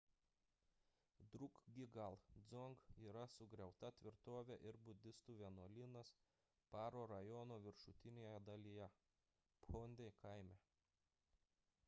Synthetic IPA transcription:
d̪ɾʊkɡʲɪɡɐlˠd̪zɔŋɡiːɾɐsʊɡɾʲɛʊt̪ɐt̪ʲʋʲɪɾt̪oːʋʲɛʔɪɾbʊd̪ʲɪst̪uːʋʲɛnuɔlʲɪnɐs | pɑːɾoːɾɐjɔnoːʋʲɪɾʃʊt̪ʲɪnʲeːjɛd̪ɐlʲijɛ | ponʲd̪ʲekɐɪmʲæː

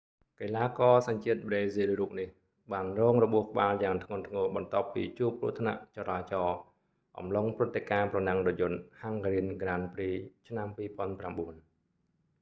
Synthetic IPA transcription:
kelaːkɑːsaɲt͡ɕiət̪̚ɓreːzilruːk̚nih | ɓaːnrɔːŋrɔɓuəhkə̆ɓaːljaːŋt̪ʰŋʊ̆ənt̪ʰŋɔːɓɑnt̪ŏəpːḭːt͡ɕuəp̚kṵət̪ʰna̰ʔt͡ɕɑɾaːt͡ɕɑː | ʔɑ̰mloŋprɨt̪ːekaːprɑnaŋrɔjʊ̆nhaŋkɾiənkraːnpriːt͡ɕʰnampiːpŏənpramɓuən

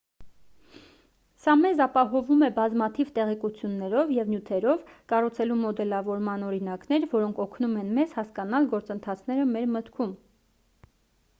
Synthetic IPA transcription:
sɑmɛzɑpɑɦɔvumɛbɑzmɑt̪ʰivt̪ɛʁɛkut͡sʰjunːɛɾɔvjɛvnjut̪ʰɛɾɔvkɑrut͡sʰɛlumɔd̪ɛlɑvɔɾmɑnɔɾinɑkn̪ɛɾvɔɾɔŋkʰɔkʰnumɛnmɛzhɑskɑnɑlɡɔɾt͡sənt̪ʰɑt͡sʰn̪ɛɾəmɛɾmət̪kʰum

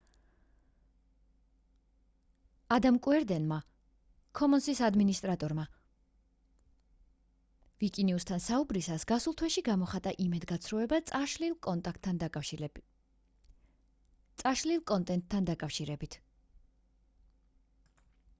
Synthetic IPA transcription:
ad̪amkʼwɛɾd̪ɛnma | kʰɔmɔnsisad̪minist̪ʼɾat̪ʼɔɾma | vikʼiniust̪ʰansaubɾisasɡasulˠt̪ʰwɛʃiɡamɔχat̪ʼaʔimɛd̪ɡat̪sʰɾɔɛbaʃlik̪ | t̪sʼaʃlilˠkʼɔnt̪ʼɛnt̪ʰːand̪akʼafʃiɾɛbit̪ʰ

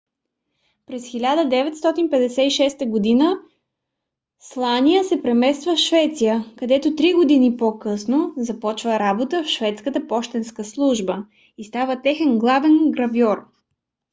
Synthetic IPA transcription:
pɾɛsxilʲad̪əd̪ɛvɛt̪st̪ɔt̪inpɛd̪ɛsɛiʃɛst̪əɡod̪inə | slˠanijəsɛpɾɛmɛst̪vəfʃvɛt̪sijəkɐd̪ɛt̪ot̪ɾiɡod̪inipokɤsnozɐpɔt͡ʃvəɾabot̪əfʃvɛt̪skət̪əpɔʃt̪ɛnskəslˠuʒbə | ist̪avət̪ɛxɛnɡlˠavɛnɡɾɐvjɔɾ

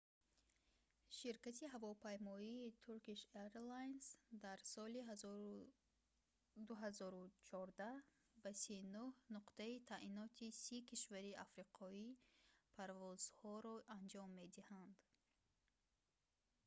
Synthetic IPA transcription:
ʃiɾkat̪ʰiɦavɔpʰajmɔiːt̪ʰuɾkiʃeɾlajnsd̪aɾsɔli | d̪uɦazɔɾut͡ʃʰɔɾd̪a | basinuhnuqt̪ait̪ʰaʔinɔt̪ʰisikʰiʃvaɾiafɾiqʰɔipʰaɾvɔz̥hɔɾɔʔand͡ʒɔmːe̞d̪ihand̪

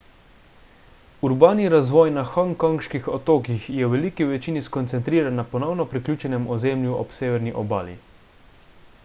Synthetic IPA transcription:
uɾbaːniɾazʋɔːjnaxaŋkɔŋʃkixɔt̪oːkixjɛwʋɛlikiʋɛt͡ʃiːniskɔnt̪sɛnt̪ɾiːɾanːapɔnɔwnɔpɾiklʲuːt͡ʃɛnɛmɔzeːmljuʔɔpseːʋɛɾniʔɔba̰ːlḭ

